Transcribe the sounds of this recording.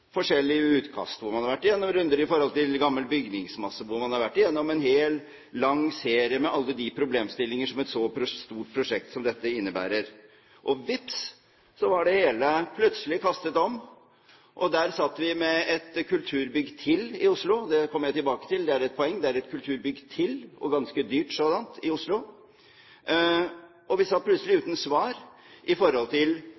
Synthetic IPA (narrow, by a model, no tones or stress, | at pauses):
fɔʂɛlːɪʉːt̪kʰɑ̰st̪ʋʊɾmɑnhɑɾʋæʈːɪjɛnːɔmɾʉnd̪əɾɪfɔɾhɔlt̪ɪlɡɑmːəlbʏɡnɪŋsmɑsːəʋʊɾmɑnhɑɾʋæʈːɪjɛnːɔmɛnɦeːl | lɑŋːseːɾɪəmɛʔɑlːəd̪ɪpʰɾʊbleːmst̪ɪlːɪŋəʂɔmɛt̪sɔpʰɾʊst̪uːʈ̚pʰɾʊʂɛk̚t̪sɔmd̪ɛt̪ːəɪnːəbæ̰ːɾəɾ | ʔɔʋɪps | sɔʋɑɖɛheːləpʰlœt̪səlɪkʰɑst̪ət̪ɔm | ʔɔd̪æːɾsɑt̪ːəʋɪmɛɛt̪kʰʉlt̪ʰʉːɾbʏɡːt̪ʰɪlɪʊslʊd̪ɛkʰɔmjæɪt̪ɪlbɑːkə̥t̪ɪld̪ɛæɾɛt̪̚pʰɔɛŋːd̪ɛæɾɛt̪kʰʉlt̪ʰʉːɾbʏɡːt̪ʰɪlɔ̰ɡɑnskəd̪yːʈsoːd̪ɑnt̪ɪʊslʊ | ʔɔʋɪsɑt̪̚pʰlʉt̪səl̩ɪʉːt̪n̩sʋɑːɾ | ʔɪfɔɾhɔlt̪ʰɪl